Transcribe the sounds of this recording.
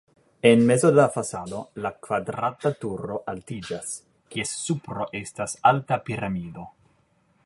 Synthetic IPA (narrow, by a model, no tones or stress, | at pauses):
enme̞zodafasado̞lakvadɾatatuɾo̞ʔaltid͡ʒas | kiesːupɾo̞ʔe̞stasaltapiɾamido̞